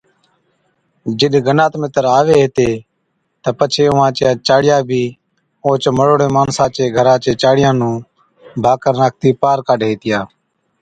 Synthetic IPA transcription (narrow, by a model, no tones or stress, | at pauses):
d͡ʒɪɗɡənaːt̪mɪt̪əɾaːʋeːɦeːt̪eː | t̪əpət͡ʃʰeːʊʋãːt͡ʃjãːt͡ʃaːɽɪjãːbʱiː | õːt͡ʃməɽoːɽeːmaːnsãːt͡ʃeːɡʱəɾãːt͡ʃeːt͡ʃaːɽɪjãːnũː | bʱaːkəɾnaːk̚ʰt̪iːpaːɾkaːɗɦeːt̪ɪjaː